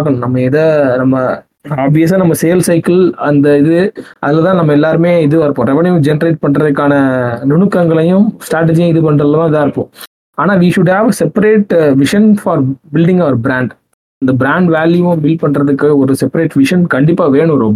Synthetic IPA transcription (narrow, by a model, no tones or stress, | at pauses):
paːkɐɳʊ̃nɐmːɐɪðɐnɐmːɐ | aːbʋɪjɐs̬aːnɐmːɐsɛjɐlsɐɪkɐlɐnd̪ɐɪðɯʔɐðɪlːɐt̪ãːnɐmːɐɛlːaːɾɯmeːɪðɯɐɾɯpːõːɾɛʋɐɳɐjʊ̃d͡ʒɛnɐɾeɪʈ̚pɐɳrɾɐðɯkːaːnɐnʊɳɯkːɐŋɡɐɭɐjʊ̃sʈɾaːʈ̬ɐd͡ʒjʊ̃ɪðɯpɐɳɾɐðlːɐt̪ãːɪðaːɐɾɯpːõ | aːnaːʋiːʂʊɖhaːʋsɛpɐɾeːʈʋɪʂɐnfaːɾbɪlɖɪŋɡɐʋɐɾbɾãːɳɖ | ɐnd̪ɐbɾaːɳɖʋaːljuʊ̃bɪlpɐɳɾɐðɯkːɯɔɾɯsɛpːɐɾeːʈʋɪʂɐnkɐɳɖɪpːaːʋeːɳʊ̃ɾɾɔmbɐ